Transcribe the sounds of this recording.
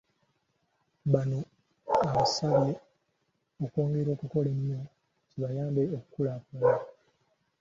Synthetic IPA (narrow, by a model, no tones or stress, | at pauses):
bano | aβasaβje | oko̞ːŋɡe̞ɾo̞ːkuko̞lenːo | tiβajaːmbeokukulaːkola